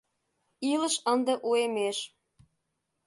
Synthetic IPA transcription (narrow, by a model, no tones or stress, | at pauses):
iləʃə̆nd̪ə̆ʔuemeʃ